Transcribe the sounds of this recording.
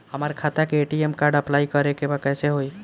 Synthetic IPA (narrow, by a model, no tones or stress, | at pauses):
həməɾkʰat̪akeːʈiemkaɾɖəplaikəɾekebakəjseɦoj